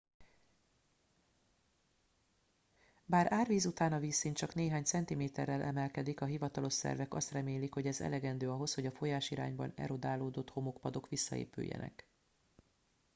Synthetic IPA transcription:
baːɾaːrviːzut̪aːnɒviːsːiːnt͡ʃɒkneːɦaːɲt̪sɛnt̪imeːt̪ɛrːɛlʔɛmɛlkɛd̪ikɒɦivɒt̪ɒlo̞ʃsɛ̰rvɛkɒst̪rɛmeːlikho̞ɟɛzɛ̰lɛɡɛnd̪øːɒɦo̞sho̞ɟɒfo̞jaːʃiɾa̰ːɲbɒ̰nɛ̰ɾo̞d̪aːloːd̪o̞t̪ho̞mokpɒd̪o̞kʋisːɒ̰ḛːpy̰jːɛ̰nɛ̰k

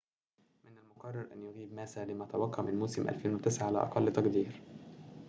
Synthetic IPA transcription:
mɪnælmʊqɑrˤːɑɾˤʔæ̰njʊɣiːbmæːsæːlɪmæt̪æwɑqʰːɑmɪnmoːsɪmʔæ̰lfeːnwɪt̪ɪsʕaʕalæ̰ʔɑ̰qɑlːɪt̪ɑqd̪iːɾ

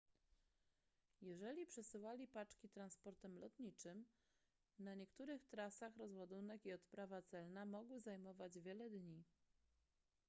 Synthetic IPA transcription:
jɛʐɛlʲipʂɛsɘwalʲipat͡ʂkʲit̪ɾanspɔɾt̪ɛmlɔt̪ɲit͡ʂɘm | naɲɛkt̪uɾɘxt̪ɾasaxɾɔzwɔd̪unɛkiɔt̪pɾavat̪sɛlnamɔɡwzajmɔvad͡ʑvʲjɛlɛd̪ɲi

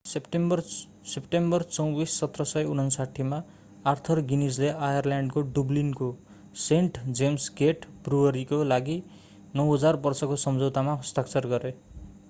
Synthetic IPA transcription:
pʈbʌr | sepʈembʌrt͡sʌwbisːʌt̪rʌsʌjun̤ʌnsaʈʰːimaː | rt̪ʰʌrɡinisleʔajʌrljaɳɖkoɖublinko | seɳʈd͡zemskeʈbruʌɾikolaɡi | nʌwɦʌd͡zarbʌrsʌkosʌmd͡zowt̪amaɦʌst̪akt͡sʌrɡʌɾe

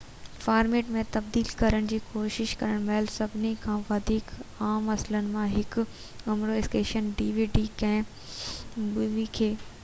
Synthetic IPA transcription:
faːɾmeːʈmẽt̪ɐb̚d̪iːlkɐɾəɽ̃d͡ʑiːkoːʃɪʃkɐɾəɽ̃mɛːlsɐbʱɪnekʰãːʋɐd̪ʱiːkaːmɐslənɪ̆mãɦɪk | ɐmɾoɪskeːʃənɖiːʋiːɖikɐ̃ɪ̃ | bʊʋikʰeː

